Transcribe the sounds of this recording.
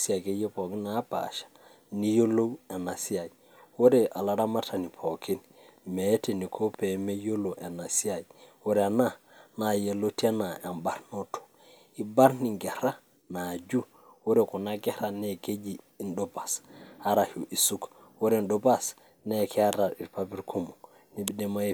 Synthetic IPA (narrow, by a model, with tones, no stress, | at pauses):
si˦a˨ke˦je˦po˨ki˦na˦pa̰˨ʃḁ˨ | ni˦jo˦lo˦ɛ˨na˨si˦a˨j | wo˦ɾe˦˨ʔa˨la˨ɾa˦ma˦ta˨ni˨pʰo˨ki˦n | me˨˦ti˨ni˨kʰo˦pe˨me˦jo˦lo˨ʔe˨na˨si˦a˨jwo˦ɾɛ˨a˨na˦˨na˨je˨lo˦ti˦a˦na˨a˨mba˦ɾno˦to̥˨ | i˨ba˦ɾni˨ŋɡe˨ɾa˦ | na˨d͡ʒu˦ | wo˦ɾe˨ku˨na˦ɡe˦ɾane˦ke˦d͡ʒiː˨ndoba˨sa˦ɾa˨hu˨ʔi˨su˦k | wo˦ɾe˦ndoba˦s | nekʰe˦a˦ɾa˨i˨ɾpabi˦ɾkʰo˦mo˨ | ni˦bi˦de˦ma˦e